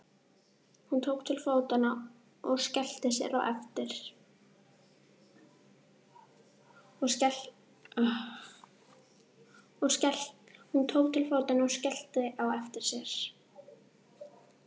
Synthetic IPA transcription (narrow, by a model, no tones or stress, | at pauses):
hunt̪ʰoːwkt̪ʰɪlfoːwt̪ana | ɔɣscɛl̥t̪ɪsjɛ̰ɾa̰wʔɛft̪ɪɾ̥ | ɔs | ɔsɛhunt̪ʰoːwkt̪ʰɪlfoːwt̪anaɔscɛl̥t̪ɪʔawɛft̪ɪɾ̥sjɛɾ̥